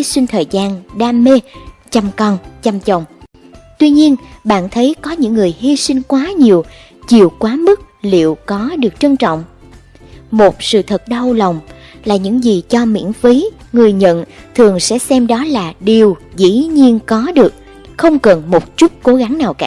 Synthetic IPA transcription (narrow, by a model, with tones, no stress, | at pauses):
sï˧ŋ̟t̪ʰəː˨˩jzaː˧nɗaː˧me˧t͡ɕa˧mkɔ˧nt͡ɕa˧mt͡ɕə˨˩wŋ͡m | t̪wi˧ɲi˧ənɓa̰ː˧˨nt̪ʰə˨˦jkɔ˨˦ɲɨ̰˧˥ŋːɨ˨˩əjɦi˧si˧ŋ̟kwaː˨˦ɲi˨˩əw | t͡ɕi˨˩əwkwaː˨˦mɨ˦˥t̚lḭ˧˨əwkɔ˨˦ɗɨ˨˩ək̚t͡ɕə˧nt͡ɕɔ̰˧˨wŋ͡m | mo˨˩t̚sɨ̰˧˨t̪ʰə˨˩t̚ɗa˧wlə˨˩wŋ͡m | laː˨˩ɲɨ̰˧˥ŋzi˨˩t͡ɕɔ˧mḭ˧˥ənfi˨˦ŋɨ˨˩əjɲə̰˧˨nt̪ʰɨ˨˩əŋsɛ̰˧˥sɛ˧mɗɔ˨˦laː˨˩ɗi˨˩əwzḭ˧˥ɲi˧ənkɔ˨˦ɗɨ˨˩ək̚ | xə˧wŋ͡mkə˨˩nmo˨˩t̚t͡ɕu˦˥t̚ko˨˦ɣa˨˦ŋnaː˨˩wka̰ː˧˥˩